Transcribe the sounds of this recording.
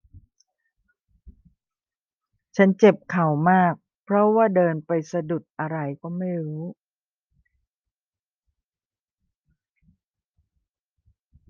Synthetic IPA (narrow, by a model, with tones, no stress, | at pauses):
t͡ɕʰa˦˥nt͡ɕe˨˩p̚kʰa˨˩˦wmaː˥˩k̚ | pʰɾɔ˦˥waː˥˩dɤː˧npa˧jsa˧du˨˩t̪̚ʔa˧ɾa˧jkɔː˥˩ma˥˩jɾuː˦˥